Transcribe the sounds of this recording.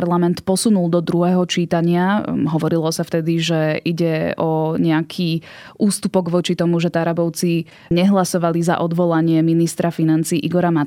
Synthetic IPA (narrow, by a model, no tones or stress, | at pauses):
ɾlamɛnt̪pɔsunulˠd̪ɔd̪ɾuɦɛːɦɔt͡ʃiːt̪aɲɪaɦɔʋɔɾilɔsaft̪ɛd̪iʒɛiɟɛɔɲɛakʰiː | ʔuːst̪upɔɡʋɔt͡ʃit̪ɔmuʒɛt̪aɾabɔʊt͡si | ɲɛɦlasɔʋaliza̰ʔɔd̪ʋɔlaɲɪɛminist̪ɾafinant͡siːʔiɡɔɾama